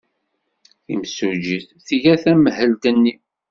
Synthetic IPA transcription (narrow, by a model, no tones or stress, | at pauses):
θimsud͡ʒiθ | θiʝæθæməhəlt̪ənːi